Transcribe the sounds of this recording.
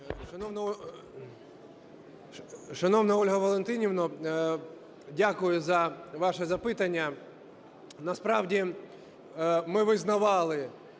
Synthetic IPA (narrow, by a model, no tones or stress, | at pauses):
ʃɐnɔwn | ʃɐnɔwnɐɔlʲɦɐʋɐlˠent̪ɪnʲiʋnɔ | dʲakʊjʊzɐʋɑʂɛzɐpɪt̪ɐnʲːɐ | nɐspɾɑwdʲi | mɪʋɪznɐʋɑlˠɪ